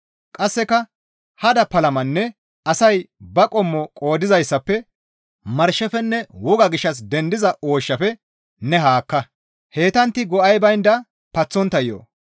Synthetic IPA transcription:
kʼɐsːɛkɐ | hɐd̪ɐpɐlɐmɐnːɛ | pɐsɐjbɐkʼɔmːɔkʼo̞ːd̪ɪzɐjsːɐpːɛ | mɐɾʃːɐfɛnːɛwɔɡɐɡɪʃːɐs̬d̪ɛnd̪ɪzɐʔo̞ːʃːɐfɛ | nɛɦaːkːɐ | he̞ːt̪ɐnt̪ːɪɡɔʔɐjbɐjnd̪ɐ | pɐt͡sːɔnt̪ːɐjːo̰ː

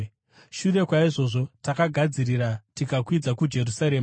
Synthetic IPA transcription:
ʃure̞kwaiʐo̞ːʐo̞takaɡʱad͡ziriɾatikakwid͡zakud͡ʒe̞ɾusaɾeːma

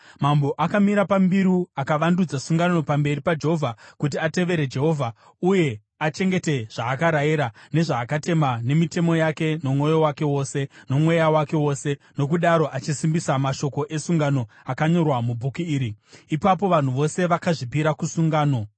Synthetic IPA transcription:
mambo̞ʔakamiɾapambiɾuakaʋandud͡zasuŋɡanno̞pambe̞ripad͡ʒeɦovʱakut̬iate̞ʋe̞ɾe̞d͡ʒe̞ɦo̞vʱa | uje̞ | at͡ʃe̞ŋɡe̞te̞ʐ̥aːkaɾajiɾane̞ʐaːkate̞mane̞mite̞mo̞jake̞no̞mwo̞jo̞wake̞wo̞ːse̞no̞mwe̞jawake̞wo̞se̞no̞k̬uɗaɾo̞ʔat͡ʃisimbisamaʃo̞ko̞ʔe̞suŋɡano̞ | akaɲo̞rwamubʱukuiːɾiːpapo̞ʋan̤uʋo̞se̞ʋakaʐipiɾakusuŋɡaːno̞

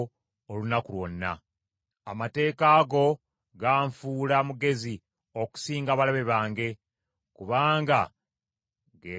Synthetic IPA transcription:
olunakulwo̞̰nːa̰ | amate̞ːkaːɡo̞ | ɡaːɱfuːlamuɡe̞zi | o̞ku̥siːŋɡaβalaβe̞βaːŋɡe̞ | kuβaːŋɡa | ɡe

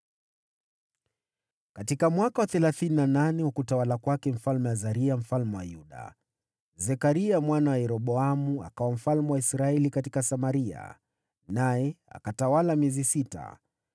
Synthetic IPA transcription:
katikamwakawaθɛlaθininananɛhukutawalakwakɛm̩falmɛwazaɾiam̩falmɛwa̰juɗa̰ | zɛkaɾiamwanawajɛɾɔɓɔamua̰kawam̩falmɛwaisɾaɛlikatikasamaɾia̰ | najɛa̰katawalamiɛzisita̰

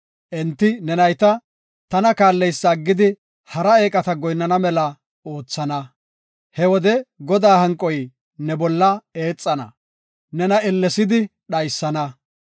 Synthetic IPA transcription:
ʔɛnt̪ːɪnɛnɐjt̪ɐ | t̪ɐnɐkaːlːɛjsːɐɡːɪd̪ɪ | hɐɾɐe̞ːkʼɐt̪ɐɡɔjnːɐnɐmɛlɐ | o̞ːt͡sːɐnɐ | hɛwɔd̪ɛɡɔd̪aːhɐŋkʼːɔj | nɛbɔlːɐeːt͡sʼːɐnɐ̰ | nɛnɐɛlːɛsɪd̪ɪ | ɗɐjsːɐnɐ

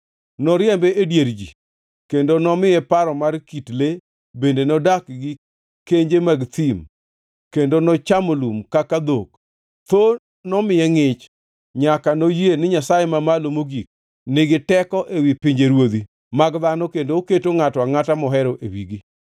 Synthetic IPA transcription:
nɔɾɪjɛmbɛʔedjeɾd͡ʒḭ | kendonɔmɪjɛpaɾɔmarkitle | bendenɔdakɡɪ | keɲd͡ʒemaɡt̪im | kendonɔt͡ʃamolumkakad̪ok | t̪o | nɔmɪjɛŋɪt͡ʃ | ɲakanojenɪɲasajemamalomoɡik̚ | nɪɡɪtɛkɔʔewipɪɲd͡ʒeɾwod̪i | maɡðanɔkendooketoŋatɔaŋatamɔɦɛɾoʔḛwiɡi

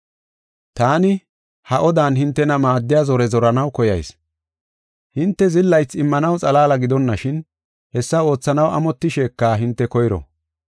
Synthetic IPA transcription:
t̪aːnɪ | hɐʔɔd̪aːnhɪnt̪ːɛnɐmaːd̪ːɪjaːzɔɾɛzɔɾɐnɐwkɔjɐ̰js | hɪnt̪ːɛzɪlːɐjt͡sːɪmːɐnɐwt͡sʼɐlaːlɐɡɪd̪ɔnːɐʃɪn | hɛsːɐo̞ːt͡sːɐnɐwɐ̰mɔt̪ːɪʃe̞ːkːaːɦɪnt̪ːɛkɔjɾɔ̰

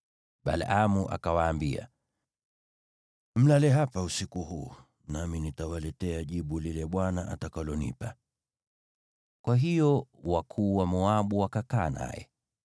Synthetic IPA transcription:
ɓa̰lamuʔa̰kawaːmbia̰ | m̩lalɛɦapausikuɦuː | naminitawalɛtɛaʄiɓulilɛɓwanaʔatakalɔnḭpa | kwaɦijɔwakʰuːwamɔaɓuwakakaːna̰jɛ̰

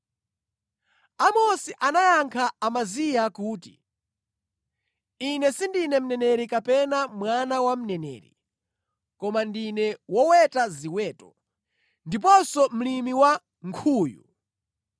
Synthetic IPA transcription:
amɔsiʔanajaŋkʰaːmazijakuːtḭ | inɛsindinɛm̩nɛnɛɾikapɛnamwanawam̩nɛnɛ̰ːɾḭ | kɔmandinɛwɔwɛtaziwɛːtɔ | ndip̬ɔsɔm̩limiwa | ŋkʰuːjṵ

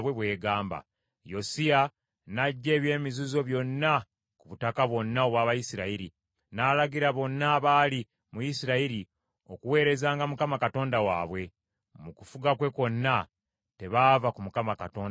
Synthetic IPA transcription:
βwe̞βwe̞ːɡaːmba̰ | jo̞sija | naɟːe̞ːβje̞ːmizuzo̞βjo̞nːa | kuβutakaβwo̞nːao̞βwaːβajisiɾaiɾḭ | naːlaɡiɾaβo̞nːaːβaːli | mujisiɾaiɾi | o̞kuwe̞ːɾe̞zaːŋɡamukamakato̞ːndawa̰ːβwe̞ | mukufuɡakwe̞ko̞nːa | te̞βaːvakumukamakato̞ːn

